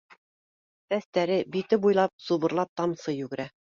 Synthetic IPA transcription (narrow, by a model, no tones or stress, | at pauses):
t̪æst̪æɾɘbit̪ɘbujlˠɑp̚suβɤ̆ɾlˠɑp̚t̪ɑmsɤjʉɡɘ̆ɾæ